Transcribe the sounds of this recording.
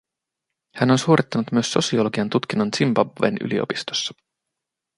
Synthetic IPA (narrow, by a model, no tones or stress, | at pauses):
hæno̞nsuːɾʔit̪ːɑnut̪myø̞sːo̞̰siolo̞ɡiɑnt̪ut̪k̟inːont̪simbɑbḛnʔy̰lḭo̰pist̪o̥sːɑ̥